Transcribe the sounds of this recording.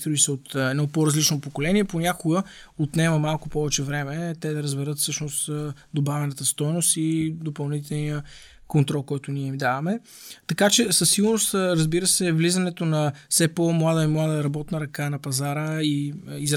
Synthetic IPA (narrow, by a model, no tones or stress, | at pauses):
t̪ɾuisɛot̪ɛd̪nɔpoɾɐzlit͡ʃnopokolɛniɛponʲakʊɡə | ot̪nɛmɐmalˠkʊpɔvɛt͡ʃɛvɾɛmɛt̪ɛd̪ɐɾəzbɛɾɤt̪fsɤʃnost̪d̪obavɛnət̪əst̪ɔjnost̪id̪opɐlˠnit̪ɛlˠnijə | kont̪ɾɔlˠkɔjt̪ʊniɛimd̪avɐmɛ | t̪ɐkat͡ʃɛsəsːiɡʊɾnost̪ɾəzbiɾəsɛvlizɐnɛt̪onɐfsɛpomlˠad̪əimlˠad̪əɾɐbɔt̪nəɾɐkanɐpɐzaɾəiiz